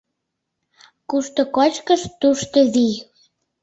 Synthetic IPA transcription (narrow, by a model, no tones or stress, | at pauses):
kuʃt̪ŏkɑt͡ɕkəʃt̪uʃt̪əði